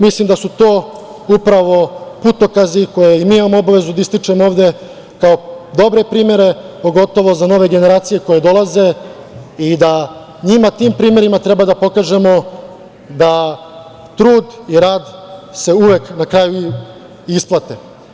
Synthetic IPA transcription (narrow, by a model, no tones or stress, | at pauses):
mislimd̪asut̪oː | upɾaʋo̞put̪o̞kaziko̞jeimiːimamoobaʋe̞zud̪aist̪it͡ʃe̞moo̞ːʋd̪e̞ | kao̞d̪o̞bɾe̞pɾiːmje̞ɾe̞po̞ɡo̞t̪o̞ʋo̞zano̞ʋe̞ɡe̞ne̞ɾaːt̪sije̞ko̞je̞d̪o̞laze̞ | id̪a | ɲimat̪iːmpɾiːmje̞ɾimat̪ɾe̞bad̪apo̞kaːʒe̞mo̞ | d̪a | t̪ɾuːd̪iɾaːd̪se̞uʋe̞knakɾaːju | isplˠat̪e